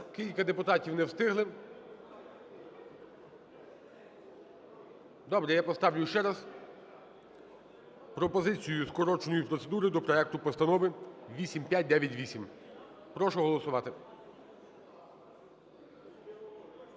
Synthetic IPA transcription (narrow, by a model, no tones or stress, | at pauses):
kʲilʲkɐd̪epʊt̪ɑtʲiwnɛwst̪ɪɦlˠɪ | d̪ɔbɾɛjapɔst̪ɑwlʲʊʃt͡ʃɛɾɐz | pɾɔpɔzɪt͡sʲijʊskɔɾɔt͡ʃnɔjipɾɔt̪se̞d̪uɾɪd̪ɔpɾɔɛk̚t̪ʊpɔst̪ɐnɔʋɪʋʲisʲimpʲjat̚ʲd̪ɛʋʲjɐtʲʋʲisʲim | pɾɔʃʊɦɔlˠɔsʊʋɑt̪ɪ